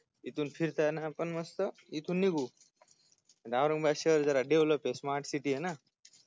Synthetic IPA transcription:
it̪ʰunpʰiɾt̪ʰanapɐnmɐst̪ə | it̪ʰunːiɡu | d̪awɾɐŋbaːʃəɾzɐɾaɖeʋləpesmaːɾʈsiʈiena

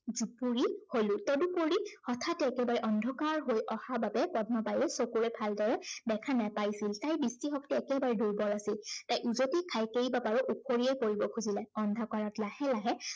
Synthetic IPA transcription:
zupuɹiholʊ̃tɔdupoɹihɔtʰatɛːkɛbaɹɛʔɔndʱɔkaɹɦojʔɔxababɛpɔdnɔpajɛsokuɹɛbʱaldɔɹɛdɛkʰanapajsiltajbistixɔktɛɛkɛbaɹɛduɹbɔlasiltajʔuzotikʰajkejbabaɹɔʔukʰoɹiejkoɹibɔkʰuzilɛɔndʱɔkaɹɔtlahɛlaɦɛ

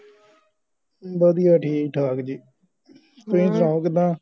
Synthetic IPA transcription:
bəd̪ijaːʈʰiːk̚ʈʰaːkd͡ʒiː | t̪ʊĩːt͡ʃɾãːkɪd̪ãː

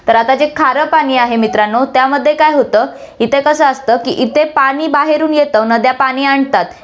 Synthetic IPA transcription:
t̪əɾat̪ad͡zekʰaɾəpañiːaɦemit̪ɾanːot̪jaməd̪ʱːjekajɦot̪əː | it̪ekəsəːəst̪əːkḭʔit̪epaɽ̃iːbaɦeɾuːnjet̪ənəd̪japaɽ̃iːaɳt̪at̪

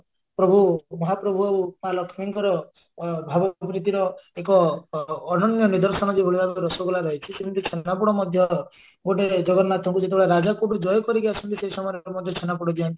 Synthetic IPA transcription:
pɾɔbʱumɔɦapɾɔbʱuoumalɔkʰmiŋkɔɾɔ | bʱabɔpɾit̪iɾɔekɔː | nɔnjɔnid̪ɔɾsɔñɔd͡ʒebʱoɽibʱabeɾɔsɔɡolaɾɔɦet͡ʃʰisemint̪it͡ʃʰenapuɽɔmɔd̪ʱjɔ | ɡoʈed͡ʒɔɡɔɾnat̪ʰɔŋkud͡ʒet̪ebʱɔɽaɾad͡ʒakuɽud͡ʒɔjɔkɔɾikiasunt̪iseisɔmɔɾɔmɔd̪ʱjɔt͡ʃʰenap̬uɽɔd͡ʒiɔnt̪i̥

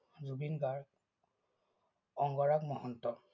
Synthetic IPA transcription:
zubinɡaɹ | ɔŋɡɔɹakmɔhɔntɔ

